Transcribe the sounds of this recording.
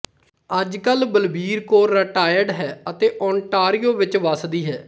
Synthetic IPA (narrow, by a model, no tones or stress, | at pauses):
əd͡ʒkəlbəlbiːɾkoːɾːəʈaːjəɖɦɛːət̪eːʔɔːɳʈaːɾiːoːʋɪt͡ʃʋəsd̪iːɦɛː